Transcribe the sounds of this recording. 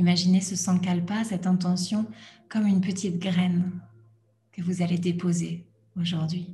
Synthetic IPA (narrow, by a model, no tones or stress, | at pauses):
imaʒinesəsɑ̃kalpasɛt̪ɛ̃t̪̬ɑ̃sjɔ̃kɔmynpət̪ʰit̪ɡʁɛn | kəvuzaled̪epoze | oʒuʁd̪ɥi